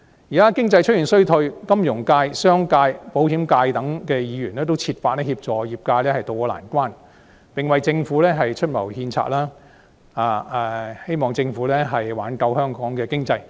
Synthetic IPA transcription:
jiː˨˩kaː˥kɪ˥ŋt͡sɐ˧jt͡ʃʰɵ˥t̚ji˨˩nsɵ˥ɥt̪ʰɵ˧ɥkɐ˥mjʊ˨˩ŋkaː˧jsœː˥ŋkaː˧jpo˨˥whiː˨˥mkaː˧jt̪ɐ˨˥ŋkɛː˧jiː˨˧˥jyː˨˩nlɛː˥t̪o˥wt͡sʰiː˧t̚faː˧t̚lɛː˥hiː˧p̚t͡ʃɔː˨˩jiː˨p̚kaː˧lɛː˥hɐ˨jt̪o˨wkɔː˧la̰ː˨˩nkʷwaː˥n | pɪ˨ŋwɐ˨jt͡sɪ˧ŋfuː˨˥lɛː˥ɦɐ˨jt͡ʃʰɵ˥t̚mɐ˨˩whiː˧nt͡sʰa̰ː˧t̚laː˥ | aː˨˧ɛː˧he˥jmɔː˨ŋt͡sɪ˧ŋfuː˨˥lɛː˥ɦɐ˨jwaː˨˥nkɐ˧whœː˥ŋkɔː˨˥ŋkɛː˧kɪ˥ŋt͡sɐ˧j

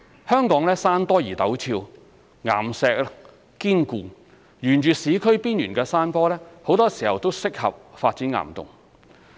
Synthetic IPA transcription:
hœː˥ŋkɔː˨˥ŋlɛː˥saː˥npɔː˥jiː˨˩t̪ɐ˨˥wt͡sʰiː˧w | ŋa̰ː˨˩msɛː˧k̚ | kiː˥nkuː˧ | jyː˨˩nt͡ʃyː˨siː˨˥kʰɵ˥ɥpiː˥njyː˨˩nkɛː˧saː˥npɔː˥lɛː˥ho˨˧˥wt̪ɔː˥siː˨˩hɐ˨wt̪o˥wsɪ˥k̚hɐ̰˨p̚faː˧t̚t͡siː˨˥nŋa̰ː˨˩mt̪ʊ̰˨˩ŋ

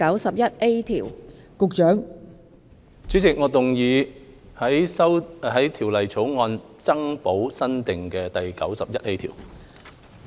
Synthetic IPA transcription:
ɐ˨˥wsɐ˨p̚jɐ˥t̚e˥jt̪ʰiː˨˩w | kʊ˨k̚t͡ʃœː˨˥ŋ | t͡syː˨˥t͡sɪ˨k̚ŋɔː˨˧t̪ʊ˨ŋjiː˧ | hɐ˨˥jɐ˥wɦɐ˨˥jt̪ʰiː˨˩wlɐ˨jt͡sʰo˨˥wŋɔː˧n | t͡sɐ˥ŋpo˨˥wsɐ˥nt̪ɪ˨ŋkɛː˧t̪ɐ˨jkɐ̰˨˥wsɐ˨p̚jɐ˥t̚e˥jt̪ʰḭː˨˩w

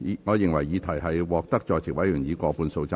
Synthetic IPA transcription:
ŋɔː˨˧jɪ˨ŋwɐ˨˩jjiː˨˧t̪ʰɐ˨˩jɦɐ˨jwɔː˨k̚t̪ɐ˥k̚t͡ʃɔː˨˧jt͡sʰɪ˨k̚wɐ˨˥jyː˨˩ŋjiː˨˧kʷɔː˧puː˧nso˧wt͡saː˧

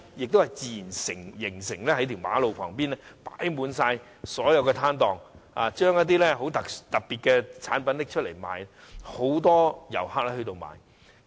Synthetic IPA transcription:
jɪ˨k̚t̪whɐ˨jt͡siː˨i˨˩nsɪ˨˩ŋjɪ˨˩ŋsɪ˨˩ŋlɛː˥hɐ˨˥jt̪ʰi˨˩wma̰ː˨˥lo˨wkʰɔ̰ː˨˩ŋpiː˥nlɛː˥pa̰ː˨˥jmuː˨˧nsaː˧j | sɔː˨˥jɐ˨˧wkɛː˧t̪ʰaː˥nt̪ɔː˨ŋaː˨t͡ʃœː˥ŋjɐ˥t̚t̪̬iː˥lɛː˥ɦo˨˥wt̪ɐ˨kt̪ɐ˨k̚piː˨t̚kɛ˧t͡sʰa̰ː˨˥npɐ˨˥nlɪ˥k̚t͡ʃʰɵ˥t̚le˨˩jma̰ː˨jɛ˥ho˨˥wt̪ɔː˥jɐ̰˨˩whaː˥k̚lɛː˥hɵ˧t̪o˧wma̰ː˨˧j

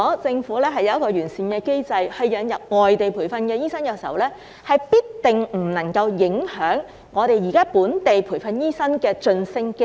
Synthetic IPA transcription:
t͡sɪ˧ŋfuː˨˥lɛː˥ɦɐ˨jːɐ˨˧jɐ˥kɔː˧ɥyː˨˩nsiː˨nkɛː˧ke˥jt͡sɐ˨˧jhɐ˨jːɐ˨˧njɐ˨p̚ŋɔː˨jt̪e˨jpʰuː˨˩fɐ˧nkɛː˧jiː˥sɐ˥nkɐ˧siː˨˩ɐ̰˨wlɛː˥ | hɐ˨jpiː˥t̚t̪ɪ˨ŋm̩˨˩nɐ˨˩ŋkɐ˧wjɪ˨˥ŋhœː˨˥ŋː | ɔː˨˧ɾe˨jiː˨˩kaː˥puː˨˥nt̪e˨jpʰu˨˩jfɐ˧njiː˥sɐ˥nkɛː˧t͡ʃɵ˧nsɪ˥ŋk

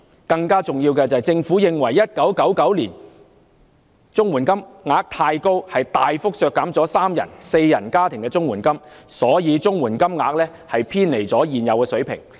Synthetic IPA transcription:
kɐ˧ŋkaː˥t͡sʊ˨ŋjiː˧wkɛː˧t͡sɐː˨jt͡sɪ˧ŋfuː˨˥jɪ˨ŋwɐ˨˩jːɐ˥t̚kɐ˨˥wkɐ˨˥wkɐ˨˥wliː˨˩n | t͡sʊ˥ŋwuː˨˩nkɐ˥mŋaː˧˥k̚t̪ʰaː˧jko˥whɐ˨jt̪aː˨jfʊ˥k̚sœː˧kːaː˨˥mt͡sɔː˨˥saː˥mjɐ˨˩nse˧jːɐ̰˨˩nkaː˥t̪ʰɪ˨˩ŋkɛː˧t͡sʊ˥ŋwuː˨˩nkɐ˥m | sɔː˨˥jiː˨˧t͡sʊ˥ŋwuː˨˩nkɐ˥mŋaː˧k̚lɛː˥ | hɐ˨jpʰiː˥nle˨˩jt͡sɔː˨˥jiː˨˩njɐ˨˧wkɛː˧sɵ˨˥ɥpʰɪ̰˨˩ŋ

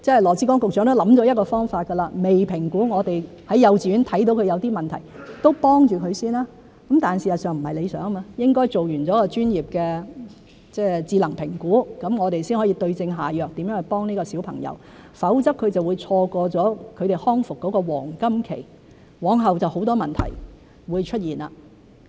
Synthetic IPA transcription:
t͡sɛː˥˨jlɔː˨˩t͡siː˨˥kɔː˥ŋkʊ˨k̚t͡ʃœː˨˥ŋt̪o˥wlɐ˨˥mt͡ʃɔː˨˥jɐ˥t̚kɔː˧fɔː˥ŋfaː˧t̚kɐ˧laː˧me˨jpʰɪ˨˩ŋkuː˨˥ŋɔː˨˧t̪e˨j | hɐ˨˥jːɐ˨˧wt͡siː˨˧yː˨˥nt̪ʰɐ˨˥jt̪o˨˥wkʰɵ˨˧jɐ˨˧wt̪iː˥mɐ˨˩nt̪ʰɐ˨˩jt̪o˥wpɔː˥ŋt͡ʃyː˨˩kʰɵ˨˧ɥsiː˥nlaː˥ | kɐ˨˥mt̪aː˨nsiː˨˩stsœː˨ŋm̩˨˩hɐ˨jle˨˧jsœ̰ː˨˥ŋ˥maː˧jɪ˥ŋkɔː˥jt͡so˨wjyː˨˩nt͡sɔː˨˥kɔː˧t͡ʃyː˥njiː˨˩p̚kɛː˧ | t͡sɛː˥˩t͡siː˧lɐ˨˩ŋpʰɪ˨˩ŋkuː˨˥kɐ˨˥mŋɔː˨˧t̪e˨jsiː˥nhɔ˨˥jiː˧t̪ɵ˧ɥt͡sɪ˧ŋɦaː˨jœː˨˩k̚t̪i˨˥mjœː˨˥ŋɐ˨˩pɔː˥ŋniː˥kɔː˧siː˨˥wpʰɐ̰˨˩ŋjɐ̰˧w | fɐ˨˥wt͡sɐ˥kʰːɵ˨˧ɥt͡sɐ˨wu˨˧jt͡sʰɔː˧kɔː˧t͡sɔː˨˥kʰɵ˨˧t̪e˨˩jhɔː˥ŋfʊ˨kːɔː˨˥kɔː˧wɔ̰ː˨˩ŋkɐ˥mkʰḛ˨˩j | wɔː˨˥ŋɦɐ˨wt͡sɐ˨who˨˧˥wt̪ɔː˥mɐ˨nt̪ʰɐ̰˨˩j | wuː˨˧jt͡ʃʰɵ˥t̚jiː˨˩na̰˧

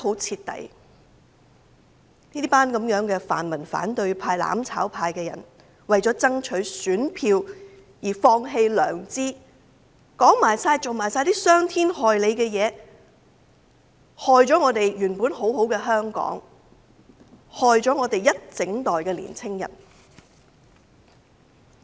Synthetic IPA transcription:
ho˨˥wt͡sʰiː˧t̚t̪ɐ̰˨˧j | niː˥paː˥nkɐ˨˧˥mjœː˨˥ŋkɛː˧fa̰ː˨nmɐ˨˩nfa̰ː˨˥nt̪ɵ˧ɥpʰaː˧jla̰ː˨˥mt͡sʰa̰ː˨˥wpʰaː˧jkɛː˧jɐ̰˨˩n | wɐ˨jt͡sɔː˨˥t͡sɐ˥ŋt͡ʃʰɵ˨˥ɥsyː˨˥npʰiː˧w | jiː˨˩fɔː˧ŋɦe˧jlœː˨˩ŋt͡siː˥ | kɔː˨˥ŋmaː˨˩jsaː˧jt͡so˨wmaː˨˩jsaː˧jt̪iː˥sœː˥ŋt̪ʰiː˥nhɔː˨jle˨˧jkɛː˧jɛː˨˧ | hɔː˨jt͡sɔː˨˥ŋɔː˨˧t̪e˨jjyː˨˩npuː˨˥nɦo˨˥who˨˥wkɛː˧ɦœː˥ŋkɔ̰ː˨˥ŋ | hɔː˨jt͡sɔː˨˥ŋɔː˨˧t̪e˨jjɐ˥t̚t͡sɪ˨˥ŋt̪ɔː˨˩jkɛː˧lḭː˨˩nt͡sʰɪ˥ŋjɐ̰˨˩n

